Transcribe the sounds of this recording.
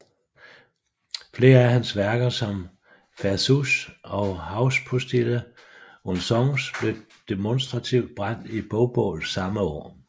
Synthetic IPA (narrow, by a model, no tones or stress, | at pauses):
fle̝ːɐæɦænsʋæɐɡ̥ɐsɒ̽m | fæɐsusɒ̽ʊhɑ̈ʊspʰo̝sd̥ilə | onsɒŋsb̥le̝ | d̥e̝monsd̥ʁɑ̈t͡sʰiʊd̥̚b̥ʁɑ̈n̰d̥ib̥ɔʊb̥ɔ̰ːl̩sɑ̈məɒ̰ː